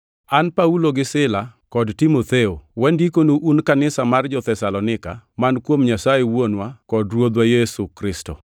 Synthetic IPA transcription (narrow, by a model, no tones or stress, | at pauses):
anpauloɡɪsɪlakɔdtimot̪eowɛndikonuʔunkanɪsamard͡ʒɔt̪ɛsalɔnɪka̰mankwomɲasajewonwakɔdrwod̪wajɛsukɾɪsto̰